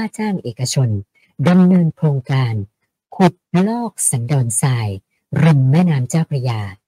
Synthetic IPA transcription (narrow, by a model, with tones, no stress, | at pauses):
aː˥˩t͡ɕaː˥˩ŋʔeː˨˩ka˧t͡ɕʰo˧n | da˧mnɤː˧nkʰɾoː˧ŋkaː˧n | kʰu˨˩t̪̚lɔː˥˩k̚sa˩˦ndɔː˧nsaː˧j | ɾɯ˧mːɛː˥˩˨naː˦˥mt͡ɕaː˥˩wpʰɾa˧jaː˧˩